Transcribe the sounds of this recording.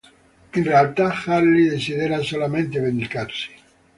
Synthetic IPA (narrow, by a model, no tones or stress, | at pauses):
inrealt̪axalːiðesiðeɾasolament̪evend̪ikarsi̥